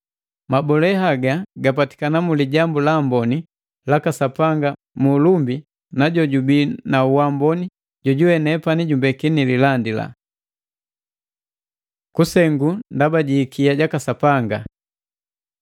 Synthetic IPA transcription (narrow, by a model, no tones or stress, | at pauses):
mabɔlɛɦaɡaɡap̬ati̥kanamuliɟambulambɔni | lakasapaŋɡa | mulumbi | naɟɔɟubinauwambɔni | ɟɔɟuwɛnɛpaniɟumbɛkinililandila̰ | kusɛŋɡundabaɟiːkiaɟakasapaŋɡa